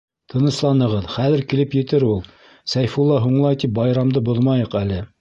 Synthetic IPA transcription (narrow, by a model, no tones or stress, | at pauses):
t̪ʰɤ̆nɤ̆slˠɑnɤ̆ʁɤðχæðɘ̆ɾkilɘpjɘ̆t̪ɘɾulˠ | sæjfulˠːɑɦuɴlˠɑjt̪ip̚bɑjɾɑmd̪ɤboðmɑjɤqælɘ